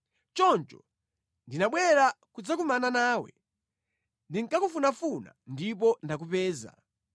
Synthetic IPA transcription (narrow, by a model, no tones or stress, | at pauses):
t͡ʃɔnt͡ʃɔ̥ | ndinaɓwɛɾakud͡zak̬umananaːwɛ̰ | ndiŋ̩kakufunafuna̰ndipɔndak̬upɛːza̰